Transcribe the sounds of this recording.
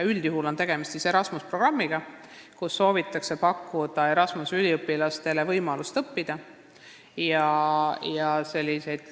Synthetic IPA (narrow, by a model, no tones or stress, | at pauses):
yld̪̥juɦulont̪e̞ɡ̥e̞mist̪sise̞ɾɑsmuspro̞ɡ̥rɑmːiɡ̥ɑ | kusːo̞ːvit̪ːˑɑkse̞pɑkːud̪̥ɑe̞ɾɑsmusylʲiɤpːilɑst̪e̞le̞vɤjmɑlust̪ɤpːid̪̥ɑ | jɑjɑse̞lʲːise̞jd̪̥